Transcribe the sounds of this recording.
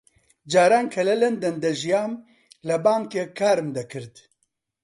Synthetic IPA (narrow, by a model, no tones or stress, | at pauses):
d͡ʒaːɾaːnkʰɐlɛlɛnd̪ɐnd̪ɐʒijaːm | lɐbaːŋkeːkʰaːɾmd̪ɐkʰɨɾt̪